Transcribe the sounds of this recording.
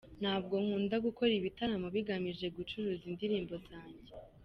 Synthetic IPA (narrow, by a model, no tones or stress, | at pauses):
n̥haːb̚ɡo̞ŋ̥uːndaɡuko̞ɾiβitaɾamoβiɡamiʒe̞ɡut͡ʃuɾuːzindiɾiːmbo̞zaːɲɟe̞